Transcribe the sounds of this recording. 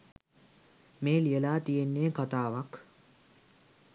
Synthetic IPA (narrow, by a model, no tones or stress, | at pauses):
meːlijəlaːt̪ijenːeːkat̪aːʋak